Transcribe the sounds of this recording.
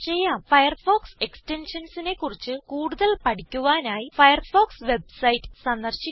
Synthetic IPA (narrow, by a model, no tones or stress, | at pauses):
t͡ɕe̞jːaːmfɐjɐrfoːkse̞kste̞nʂɐnsine̞kːurit͡ɕːɨkuːɽuðɐlpɐʈʰikʲːuʋaːnaːjifɐjɐrfo̞ːksʋe̞b̚sɐjitːɨ̥sɐnd̪ɐrɕi